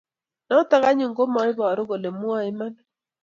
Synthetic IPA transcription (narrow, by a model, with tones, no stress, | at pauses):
nɔ˦ta˦ɣa˦ɲu˨ŋɡo˦mɔ˨˦ɪ˦bɔ˨ɾo˦ɡo˨le˨mwa˨ɪ˦ma˦nɔ˦